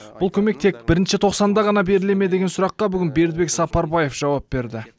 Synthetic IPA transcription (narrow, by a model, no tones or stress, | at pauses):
b̥ʊlˠkʲʰɵme̞k̚t̪ʰe̞k̚b̥ɪɾɪnʃɪt̪ʰo̞qsɑnd̪ɑʁɑnɑbe̞ɾɪle̞me̞d̪e̞ɡʲensʊɾɑqːɑbʏɡʲɪnbe̞ɾd̪ɪbe̞ksɑpɑɾbɑje̞fʒ̥ɑwɑp̚be̞ɾd̪ɪ